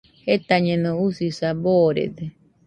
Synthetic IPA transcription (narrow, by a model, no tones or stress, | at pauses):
het̪aɲẽnõusisaboɾḛd̪e